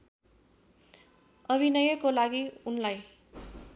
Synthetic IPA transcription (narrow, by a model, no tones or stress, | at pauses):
ʌbʱinʌjʌkolaɡiunlaj